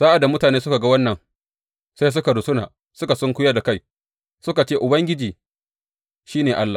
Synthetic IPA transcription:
z̥aː˦ʔa˨da˨mʊ˦taː˨neː˦sʊ˦ka˨ɡa˦wɐ˦nːɐ˨ŋ | sa˦js̬ʊ˦ka˨dʊ˨sʊ˦naː˨ | sʊ˦ka˨sɔ˦ŋkʷʊ˦jɐ˦da˨ka˦˨j | sʊ˦ka˨t͡ʃeː˦ʔʊ˨bɐ˦ŋɡʲɪ˦d͡ʒiː˨ | ʃiː˦neː˨ʔa˦lːa˨

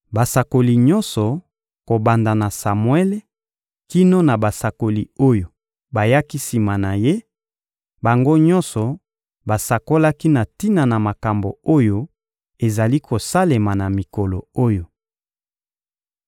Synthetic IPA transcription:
ba˨sa˨ko˨li˨ɲɔ˦nsɔ˨ | ko˨ba˨nda˨na˨sa˨mwe˦le˦ | ki˦no˦na˨ba˨sa˨ko˨li˨o˦jo˨ | ba˨ja˦ki˦si˨ma˨na˨je˦ | ba˨ŋɡo˦ɲɔ̃˦nsɔ˨ | ba˨sa˨ko˦la˦ki˦na˨ti˦na˨na˨ma˨ka˨mbo˨o˦jo˦ | e˨za˨li˦ko˨sa˦le˨ma˨na˨mi˨kɔ˨lo˨o˦jo˨

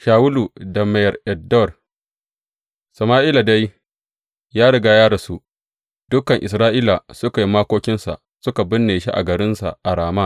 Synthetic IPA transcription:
ʃaː˨wʊ˦lu˨da˨ma˨jɐ˨rʔɛ˨dɔ˦˨r | sɐ˨maː˦ʔiː˦la˨da˦j | jaː˦ɽɪ˨ɡa˦jaː˦da˨su˦ | d̥ʊ˦kɐ˨ŋʔɪ̰˨s̬ɾaː˦ʔiː˦la˨sʊ˦ka˨ji˦maː˦kʷoː˦kʲɪ˦nsa̰˨ | sʊ˦ka˨bɪ˦nːeː˨ʃi˦ʔa̰˨ɡɐ˨ɾɪ˦nsa̰˨ʔa˨ɽaː˨maː˦˨

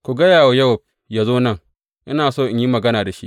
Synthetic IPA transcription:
kʷu˨ɡɐ˦jaː˨wa˨jɐ˦wɐ˨b̚ | jaː˨zoː˦nɐ˦ŋ | ʔɪ̰˦naː˨soː˦˨ʔɪ˨ɲji˦mɐ˨ɡɐ˦naː˨da˨ʃḭ˦ʔ

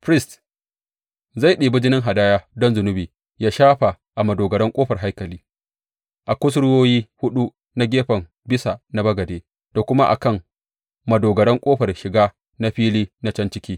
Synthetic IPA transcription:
pɾɪ˦st | za˦˨jɗiː˨bʊ˦d͡ʒɪ˦nɪ˦ŋɦa˨daː˦jaː˦dɔ˦nzʊ˨nʊ˦biː˨ | jaː˦ʃaː˦ɸa˨ | ʔa˨mɐ˨doː˨ɡɐ˨ɽɐ˦ŋkʷʼoː˦ɸɐ˨rɦa˦jkɐ˨liː˦ | ʔa˨kʷʊ˦sʊ˦ɽʊ˦woː˦jiː˦hʊ˦ɗu˦ | na˦ɡʲeː˦ɸɐ˨m | bɪ˦sa˨na˦bɐ˦ɡɐ˨deː˦ | d̥a˨kʷʊ˦ma˦ʔa̰˨kɐ˦˨ŋ | mɐ˨doː˨ɡɐ˨ɽɛ˦ŋkʷʼoː˦ɸɐ˨rʃɪ˨ɡaː˦ | na˦ɸiː˦liː˦na˦t͡ʃɐ˦nt͡ʃɪ˦kʲiː˦

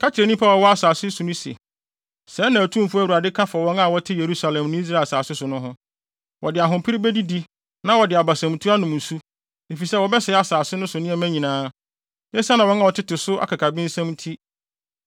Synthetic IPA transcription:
kʰa˦t͡ɕʰɪ˨ɾɛ˨nĩ˦pʰa˦ɔ˨wɔ˦a˦saː˨sɪ˦su˨nʊ̃˦si˨ḛ˨ | sɛ˨˦nã˨æ˨tʰũ˦m˨fu˦æ˦˨u˨a˨dɪ˦kʰã˦fa˨wɔ̃˦na˦˨wɔ˦tʰɪ˦je˨ɾu˦sa˨lɛ̃˨mnʊ̃˦i˦s̬ɾa˦˨lsaː˨sɪ˦sʊ˨nʊ̃˦ɦʊ̃˦ | wʔɔ̰˨dɪ˨a˨ɦʊ̃˨pʰɪ˦ɾi˦be˦di˦di˦ | nã˦wɔ˨dɪ˨a˨ba˨sɛ̃˨m˨tʰu˦a˦nʊ̃˨mn̩˨su˦ | e˨fi˨sɛ˦wɔ˨bɛ˦sɛ˨˦a˨saː˨sɪ˦nʊ̃˦sʊ˨nɪ̃˦ɛ˨mæ̃˦ɲĩ˨nãː˦ | nɪ̃˦sa˦nã˨wɔ̃˦na˨wɔ˨tʰɪ˦tɪ˨sʊ˦ʔa̰˨kʰa˨kʰa˨bĩ˦n̩˦sɛ̃˦mtʰi˦

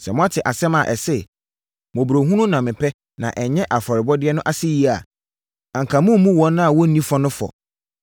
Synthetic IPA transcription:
sɛ˨mʊ̃˦a˦tʰɪ˨ʔa˨sɛ̃˦mã˨ʔɛ˨sɛ˦ | mɔ̃˨bɾo˨ɦũ˦nũ˦nã˨mɪ̃˨pʰɛ˦ | nã̰˨ʔɛ˨ɲɛ̃˦ʔa˨fɔ˨ɾɪ˨bɔ˦dɪ˦ɛ˦nʊ̃˦ʔa˦sɪ˦ji˦a˨ | ã˨ŋ˨kʰã˨mũ˦m˦mũ˦wɔ̃˦nʊ̃˦a˨wɔ˦nĩ˦fɔ˦nʊ̃˦fɔ̰˨

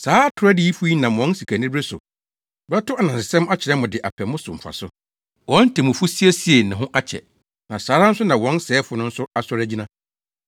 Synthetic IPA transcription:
saː˨˦tʰʊ˨ɾɛ˦dɪ˦i˦fʊ˦ji˦nã˨ɔ̃˨˦n˦si˨kʰæ˨nɪ̃˦bɾe˦sʊ̰˨ | bɾa˦tʊ˦a˨nã˨sɪ˨sɛ̃˦m˦a˦t͡ɕʰɪ˨ɛ̃˦mːʊ̃˨dɪ˨ʔa̰˨pʰɛ˨mʊ̃˦sʊ˨m̩˨fa̰˨sʊ˦ | wɔ̃˨˦n̩˦tʰɛ˨mʊ̃˨fʊ˦si˦e˦si˦e˨nɪ̃˨ɦʊ̃˦ʔa˦t͡ɕʰɛ̰˨ | nã˨saː˨˦ɾa˦n̩˦sʊ˦nã˨wɔ̃˦n˦sɛː˨˦fʊ˨˦nʊ̃˦n̩˦sʊ˦a˨sɔ˦ɾæ˦d͡ʑi˦nã˦

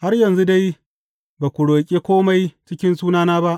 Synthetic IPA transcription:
ha˦rjɐ˨nzu˦da˦j | baː˨kʷu˨ɽoː˨kʲʼe˦kʷoː˦ma˦jt͡ʃɪ˦kʲɪ˦nsuː˦naː˦naː˦ba˦ʔ

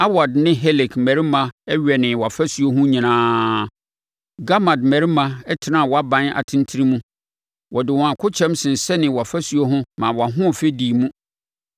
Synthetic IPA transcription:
a˦wa˨dnɪ̃˦ɦe˦lɪ˨kmɛ˨ɾi˦mã˦ɛ˦ɥᶣɛ˨nɪ̃˨wa˨fæ˦su˨o˦ɦʊ̃˦ɲĩ˨nãː˦ | ɡa˦ma˨dmɛ˨ɾi˦mã˨ɛ˦tʰɪ˨nã˦˨wɔ˨a˦bã˦na̰˨tʰɪ̃˦ntʰi˦ɾĩ˦mũ˦ | wʔɔ˨dɪ˨wɔ̃˨a˨kʰʊ˦t͡ɕʰɛ̃˦msɪ̃˨n̩˨sɛ˦nɪ̃˨wa˨fæ˦su˨o˦ɦʊ̃˦mã˨wɔ˨a˨ɦʊ̃˦˨fe˦diː˨mũ˦

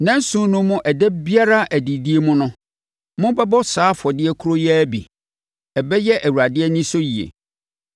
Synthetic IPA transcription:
nã˦n˦sũ˦nʊ̃˦mːʊ̃˦ʔɛ˨dɛ˦bi˦a˦ɾa˦ʔæ˨di˨di˦e˦mʊ̃˦nʊ̃˦ | mʊ̃˦bɛ˦bɔ˦saː˨˦fɔ˨dɪ˦ɛ˦kʰu˦ɾo˦jɛ˦bḭ˨ | ɛ˨bɛ˦jɛ˦ʔæ˨wu˨ɾa˨dɪ˦ɛ˦nĩ˦so˦ji˨ḛ˨

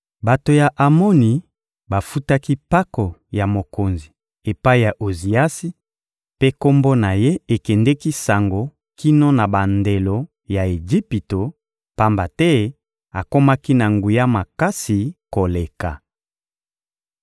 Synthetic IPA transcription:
ba˨to˨ja˨ʔa˨mo˦ni˨ | ba˨fu˦ta˦ki˦pa˦ko˨ja˨mo˨ko˨nzi˨ | e˨pa˦i˦ja˨ʔo˨zi˨a˦si˦ | pe˦ko˦mbo˦na˨je˦e˨kɛ˨ndɛ˦ki˦sa˨ŋɡo˨ | ki˦no˦na˨ba˨nde˨lo˨ | ja˨e˨d͡ʒi˦pi˨to˨ | pa˦mba˨tɛ˦ | a˨ko˦ma˦ki˦na˨ŋɡu˨ja˦ma˨ka˦si˨ko˨le˨ka˨

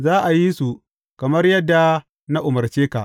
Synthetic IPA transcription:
zaː˦ʔa˨ji˦su˨ | kɐ˨mɐ˦rjɐ˦dːa˨ | na˦ʔʊ˨mɐ˨rt͡ʃeː˦ka˨ʔ

